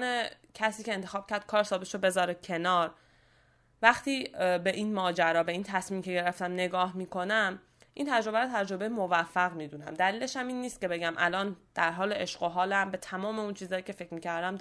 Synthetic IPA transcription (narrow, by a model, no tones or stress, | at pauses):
ne | cʰæsiːce̞ːnt̪ʰe̞xɒːb̥̚cʰæɾd̪̥̚kʰɒːɾsɒːbet̪ʃobe̞zɒːɾe̥cʰe̞nɒːɾ | væxt̪ʰiːbe̞ʔiːnmɒːd͡ʒæɾɒːbe̞iːnt̪ʰæsmiːmcʰe̞ɟe̞ɾeft̪æmne̞ɡɒːhmiːkʰo̞næm | ʔint̪ʰæd͡ʒɾo̞bæɾot̪ʰæd͡ʒɾo̞be̞jemovæfːæɣmiːd̪unæ̰md̪æliːleʃhæmiːnːiːst̪̚ce̞be̞ɟæmʔælɒːnd̪̥æɾɦɒːleeʃɢoɦɒːlæmbe̞t̪ʰæmɒːme̞unt͡ʃʰiːzɒːjiːcʲʰe̞fecʰmiːcʰæɾd̪æm